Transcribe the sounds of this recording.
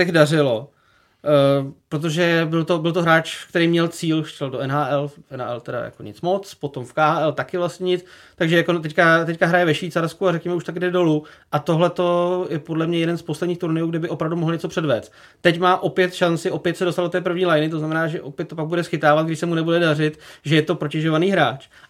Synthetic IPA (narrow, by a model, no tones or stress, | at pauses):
ɛdarɪlo | pɾot̪̬oʒɛbɪlt̪obɪlt̪oɦɾaːt͡ʃkt̪ɛɾiːmɲɛlt͡siːlʃɛldoʔɛnɦaːʔɛlʔɛna̰ːʔɛ̰lt̪ɛda̰ja̰ko̰ɲɪ̰t͡smo̞t͡spo̞t̪o̞mfkaːaːʔɛlt̪akɪvlastɲɛɲɪt͡s | t̪aɡʒɛjakot̪ɛckat̪ɛckaɦɾajɛvɛʃviːt͡saɾskuarɛkɲɛmɛuʃt̪akɡdɛdo̞luʔat̪oɦlɛt̪o̞jɛpo̞dlɛmɲɛjɛdɛnsposlɛdɲiːxt̪uɾnɪjuːɡdɪbɪʔo̞pɾavdumoɦl̩ɲɛt͡so̞pr̥ɛdvɛːt͡st̪ | t̪ɛcmaːʔo̞pjɛt̪ʃant͡sɪʔo̞pjɛt̪sɛdost̪aldot̪ɛːpɾ̩vɲiːlajnɪt̪̬oznamɛnaːʒɛʔopjɛt̪ːo̞p̬aɡ̚budɛsxɪt̪aːvat̪̚ɡdɪʃsɛmunɛbudɛdarɪt̪ʒɛjɛt̪o̞pɾocɛʒovaniːɦɾaːt͡ʃ